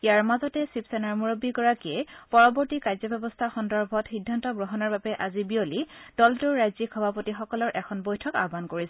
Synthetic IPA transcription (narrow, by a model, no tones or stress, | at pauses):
ijaɹmazɔtɛsipsɛnaɹmuɹobiɡɔɹakiɛpɔɹɔbɔɹtikajzɔbɛbɔstʰaxɔndɔɹbʱɔtxidʱːantɔɡɹɔɦɔnɔɹbabɛʔazibiolid̥ɔltuɹɹajzikʰːɔbʱapotixɔkɔlɔɹʔɛkʰɔnbojtʰɔka̰bʱankoɹisɛ